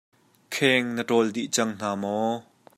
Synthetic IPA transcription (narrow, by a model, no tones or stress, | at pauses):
kʰɛŋnəʈɔld̪iʔt͡sɐŋn̥aːmɔ